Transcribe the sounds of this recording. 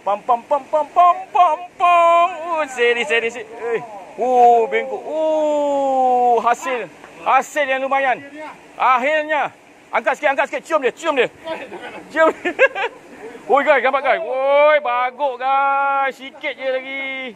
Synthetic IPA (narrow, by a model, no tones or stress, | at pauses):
pampampampampampampaŋseɾisedis̬eəobeŋkoʔo | ɦasɪlhaseljaŋlumajan | ʔaɦirɲa | ʔa̰ŋkat̪̚siket̪aŋkat̪si̥ket̪̚t͡ʃiəmdiət͡ʃiəmdi | t͡ʃiəm | ojɡasɡambaʔɡaswojbaɡoʔɡasiket̪̚jəlaɡi